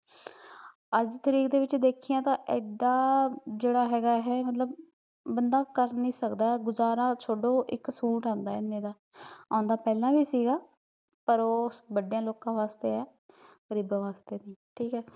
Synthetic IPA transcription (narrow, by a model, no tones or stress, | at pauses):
əd͡ʒt̪əɾiːkd̪eːʋɪt͡ʃd̪eːkʰijãːt̪ãːʔɪ̰d̪ãːd͡ʒeːɽaːɦɛːɡaːɦɛːmət̪ləb | bənd̪aːkəɾnĩːsəkd̪aːɛɡʊzaːɾãːt͡ʃʰoːɖõːʔɪksuːʈãːnd̪aːɪnːẽːd̪aː | ãːnd̪aːpɛːlãːʋiːsiːɡaː | pəɾoːbəɖejãːloːkãːʋaːst̪eːɛː | ɡ̥əɾiːbãːʋaːst̪eːnĩːʈʰiːkɛː